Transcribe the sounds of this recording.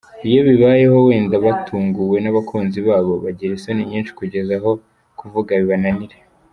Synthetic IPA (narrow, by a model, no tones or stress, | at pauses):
ijo̞βiβaje̞ho̞we̞ːndaβatʰuːŋɡuwe̞naβakʰuːnziβaːβo̞βaɟiɾesoniɲiːnʃi̥kuɟe̞zaɦo̞ | kuvuɡaβiβananiɾe